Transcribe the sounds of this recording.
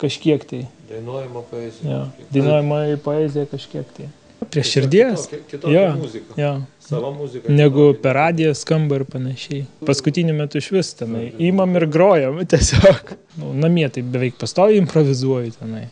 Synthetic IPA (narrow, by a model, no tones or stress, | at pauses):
kɐʃʲkʲiɛkt̪ɐɪd̪ɐjɛjoːd̪ɐɪnuɔjɛmɐɪpoːɛːzʲɪjɛkɐʃʲkʲiɛkt̪ɐɪ | pʲɾʲiɛʃʲɪɾʲd̪ʲiɛsʲjoːzʲɪkɐjoː | uzʲɪnʲæɡʊpʲɛɑːd̪ʲɪjoskɐmbɐɪrpɐnɐʃʲɛɪpɐskʊt̪ʲiːnʲʊmʲɛt̪ʊɪʃʲʋʲɪst̪ʲɛnɐɪiːmɐmɪrɡɾoːjɛmt̪ʲiɛsʲoːk | nʊnɐmʲiɛt̪ɐɪbʲɛʋʲɛɪk̚pɐst̪oːʋʲɛɪɪmpɾoːʋʲɪzuɔjʊt̪ʲɛnɐɪ